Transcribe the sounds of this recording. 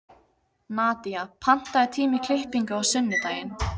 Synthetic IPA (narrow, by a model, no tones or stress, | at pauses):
naːt̪iapʰan̥t̪aðɪt̪ʰiːmɪkʰlɪlpiŋkʏawsʏnːɪt̪aːjɪn